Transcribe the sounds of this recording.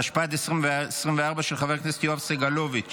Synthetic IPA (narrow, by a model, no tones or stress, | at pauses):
aʃpat̬esʁimvsʁimveaʁbaʃelχaveʁknese̥t̪joafseɡalovit͡ʃ